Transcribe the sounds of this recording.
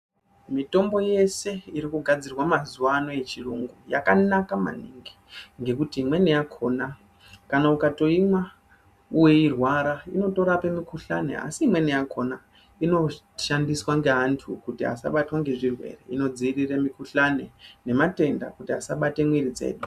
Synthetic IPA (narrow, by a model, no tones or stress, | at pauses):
mito̞mbo̞je̞se̞iɾikuɡʱad͡zirwamazuwano̞e̞t͡ʃiruŋɡuja̰kanakama̰niŋɡi | ŋɡe̞kutimwe̞nejakʰo̞na | kanaukato̞imwa | uwe̞irwaɾaino̞to̞ɾape̞mikuɬane̞̰a̰siːmwe̞nejakʰo̞na | ino̞ | ʃandiswaŋɡe̞ɦantʰukutia̰sa̰ɓatwaŋɡe̞ʐirwe̞̰rḛino̞d͡ziiriremikuɬane̞ne̞mate̞nda̰kutia̰saɓate̞mwiɾid͡zḛːɗu